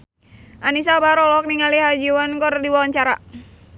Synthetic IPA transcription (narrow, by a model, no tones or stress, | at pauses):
ʔanis̬abaɾɔlɔk̚niŋaliɦad͡ʒiwankɔrdiwaɲt͡ʃaɾa